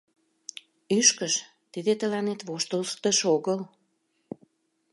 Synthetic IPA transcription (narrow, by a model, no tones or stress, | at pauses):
yʃkəʃ | t̪id̪et̪əlɑnet̪βoʃt̪əlt̪əʃoɣəl